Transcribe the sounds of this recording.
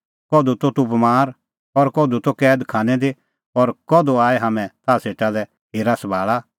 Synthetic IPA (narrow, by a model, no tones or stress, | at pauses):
kɔːd̪ut̪ot̪ʊpmaːɾ | ɔɾkɔːd̪ut̪okɛːd̪kʰaːnɛd̪e | ɔɾkɔd̪oaːɛɦaːmɛ̃t̪ʰaːseːʈalɛ | ɦeːɾasɐbʱaːɭa